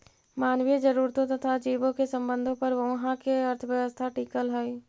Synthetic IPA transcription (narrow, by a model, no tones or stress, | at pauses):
maːnʋid͡ʒəɾuːɾt̪õt̪ɐt̪ʰad͡ʒiːbõkesə̃mbə̃nd̪ʱõpɐɾʋɐ̃ɦãkeɐɾt̪ʰəʋjəʋəst̪ʰaʈiːkəlɦɛi